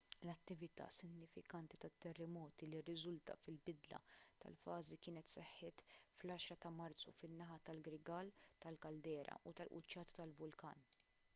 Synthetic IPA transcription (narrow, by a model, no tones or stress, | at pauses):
lɐt̪ːɪvɪt̪ɐ̰ːsɪɡnɪfɪkɐnt̪it̪ɐt̪ːɛrːɛmɔːt̪ilirːɪzʊlt̪ɐ̰fɪlbɪd̪lɐ̰t̪ɐ̰lfɐːzikɪːnɛt̪sɛħːɪːt̪flɐːʃɾɐt̪ɐmɐɾt͡sːṵfɪnːɐħɐt̪ɐlɡɾɪɡɐːlt̪ɐlkɐld̪ɛːɾʔɐ̰ʔut̪ɐlʔʊ̰t͡ʃːɐːt̪ɐ̥t̪ɐlvʊlkɐ̰ːn